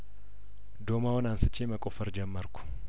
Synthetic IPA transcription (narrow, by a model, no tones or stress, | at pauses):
d̪oːmaːwɔnaːnsɪt͡ʃːeːmɐkʼɔfɐɾd͡ʒɐmːɐɾkʊ̥